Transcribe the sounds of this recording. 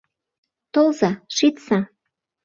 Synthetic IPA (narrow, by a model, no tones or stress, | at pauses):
t̪olzɑʃit̪sɑ